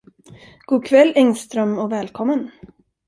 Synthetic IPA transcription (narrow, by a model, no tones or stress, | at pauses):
ɡ̥uːkʰvɛlːɛŋst̪ɾœmɔvɛːlkʰɔmːən